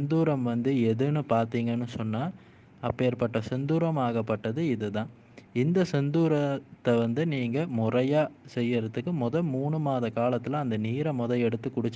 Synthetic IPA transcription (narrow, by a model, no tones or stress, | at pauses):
nd̪uːɾɐmʋɐnd̪ɯɛðɯnɯpaːɾt̪iːŋɡɐnːɯsɔnːaː | ɐpːeːɾpɐʈːɐsɛnd̪uːɾɐmaːɣɐpːɐʈːɐðɯɪðɯt̪ãː | ɪnd̪ɐsɛnd̪uːɾɐt̪ːɐʋɐnd̪ɯniːŋɡɐmʊrɐjaːsɛjːɐɾɐt̪ːɯkːɯmʊðɐmːuːɳɯmaːðɐkaːlɐt̪ːɪlɐ̃ɐnd̪ɐniːɾɐmʊðɐɛɽɯt̪ːɯkːʊɽɪt͡ʃː